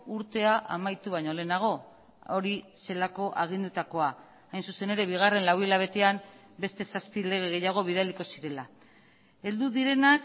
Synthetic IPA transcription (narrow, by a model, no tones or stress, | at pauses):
uɾt̪e̞aʔa̰majt̪uβajɲo̞le̞naɣ̞o̞ | o̞ɾi | se̞lako̞ʔaɣ̞ind̪ut̪ako̞aː | jnsuse̞ne̞ɾe̞βiɣ̞are̞nlawilaβ̞e̞t̪e̞am | be̞st̪e̞saspile̞ɣ̞e̞ɣ̞e̞jaɣ̞o̞β̞ið̞aliko̞siɾe̞la | e̞ld̪uðiɾe̞nak